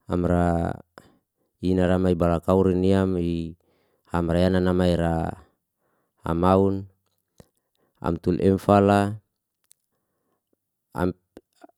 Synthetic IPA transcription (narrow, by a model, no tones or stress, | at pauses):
a̰mɾa | inaɾamaibalakauɾiniami | hamɾajananamaiɾa | a̰maun | a̰mt̪ulʔɛmfala | a̰